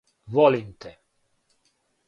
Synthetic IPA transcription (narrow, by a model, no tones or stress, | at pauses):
vɔlint̪e